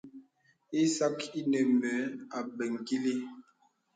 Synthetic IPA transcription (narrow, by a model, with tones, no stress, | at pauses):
i˦sa˦ki˦ne˨m˨bɛ˨˦a˨bɛ˨ŋ˨ki˦li˦